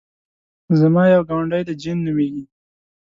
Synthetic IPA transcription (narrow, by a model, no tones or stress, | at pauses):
zamɑjawɡɑɳɖajd̪əd͡ʒinːəwiɡi